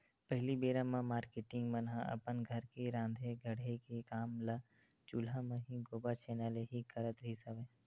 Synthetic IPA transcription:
pəɦlibeːɾãmãmaːɾkeːʈɪ̃ŋɡmənɦãʔɐ̰pənɡʱɐɾkeɾãːnd̪ʱeɡʱəɽekekaːmla | t͡ʃulamɐ̃ɦĩɡoːbat͡ʃeːnaleɦikəɾət̪ɾisəʋẽː

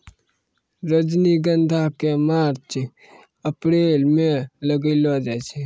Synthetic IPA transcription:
ɾəd͡ʒniɡənd̪ʱakemaːɾt͡ʃ | əpɾeːlmẽləɡəlod͡ʒɛt͡ʃʰɛ

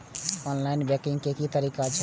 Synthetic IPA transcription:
ɔnlainbɛkĩŋɡkekit̪əɾikat͡ʃʰ

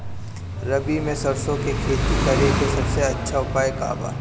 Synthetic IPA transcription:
ɾɐbimẽsɐɾsõkekʰeːt̪ikɐɾekesɐbseɐtːʃʰaʊpaːjeka̰ːba̰ː

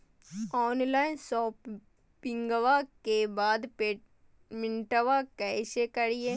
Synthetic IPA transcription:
ɔːnlaːɪnsɔːp | pɪ̃ŋɡəʋakebaːd̪pe | mɪ̃ɳʈəʋakɛːsekɐɾie

